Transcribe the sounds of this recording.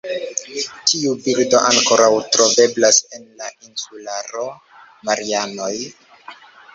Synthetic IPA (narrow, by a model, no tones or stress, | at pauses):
tʰiubiɾdo̞ʔaŋko̞ɾawtɾo̞ve̞blase̞nlainsulaɾo̞ | maɾiano̞j